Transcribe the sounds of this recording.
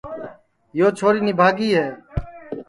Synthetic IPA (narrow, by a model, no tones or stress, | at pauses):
joːt͡ʃʰoːɾiːnibʱaːɡiːɦɛː